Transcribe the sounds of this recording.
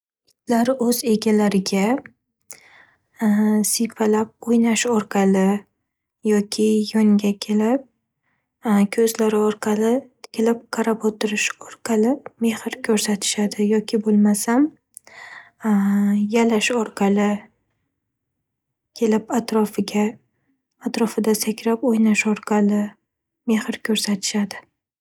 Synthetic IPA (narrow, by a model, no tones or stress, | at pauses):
ɪt̪ʰlaɾɪʔɵze̞ɡʲalaɾɪɡʲa | sɪjpʰalap̚ojnaʃɒɾqʰɑlɪ | jɒkʲʰɪjɒŋɡʲakʲʰe̞lɪp̚ | kʲʰɵzlaɾɪɒɾqʰɑlɪ | kʲʰelɪp̚qʰɑɾapot̪ʰɪɾɪʃɒɾqʰɑlɪme̞hɪɾkʲʰɵɾsat̪ʰɪ̥ʃad̪ɪjɒkʲɪbolˠmasam | jalaʃɒɾqʰɑlˠɪ | kʲʰe̞lɪpat̪ɾɒfɪɡʲaː | t̪ɾɒfɪd̪asakʲɾapojnaʃɒɾqʰɑlɪ | me̞hɪɾkʲʰɵɾsat̪ʰɪ̥ʃad̪ɪ